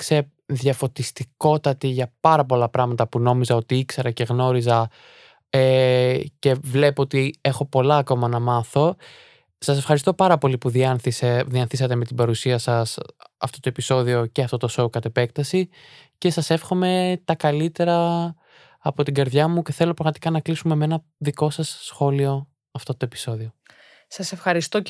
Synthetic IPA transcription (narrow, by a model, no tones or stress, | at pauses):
kse | ðʝɐfo̞t̪ist̪iko̞t̪ɐt̪iʝɐpɐɾɐpo̞lɐpɾɐɣmɐt̪ɐpuno̞mizɐo̞t̪iikseɾɐce̞ɣno̞ɾizɐ | ece̞vle̞poot̪ie̞xo̞po̞lɐːko̞mɐnɐmɐθo̞ | sɐsefxɐɾist̪o̞pɐɾɐpo̞lipuðiɐnθiseðiɐnθisɐt̪eme̞t̪ibɐɾusiɐsɐsɐ̰ft̪o̞t̪o̞e̞piso̞ðio̞ce̞ɐft̪o̞t̪o̞so̞ukɐt̪e̞pe̞k̚t̪ɐsice̞sɐse̞fxo̞me̞t̪ɐkɐlit̪e̞ɾɐː | po̞t̪iɟɐɾðʝɐmuce̞θe̞lo̞pɾɐɣmɐt̪i̥kɐnɐklisume̞meenɐ | ðiko̞sɐsːxo̞lio̞ | ɐft̪o̞t̪oe̞pi̥so̞ðio | sɐsefxɐɾist̪o